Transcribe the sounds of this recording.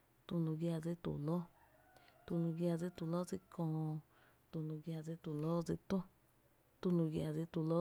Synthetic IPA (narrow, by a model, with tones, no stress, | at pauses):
t̪u˧nũ˧ɡja˧d͡zi˦t̪ṵ˨lo˦ | t̪u˧nũ˧ɡja˧d͡zi˦t̪u˧lo˦d͡zi˧kʰõː˧ | t̪u˧nũ˧ɡja˧d͡zi˧t̪u˧lo˦d͡zi˧t̪õ˦ | t̪u˧nũ˧ɡja˧˨d͡zi˧t̪u˧lo˦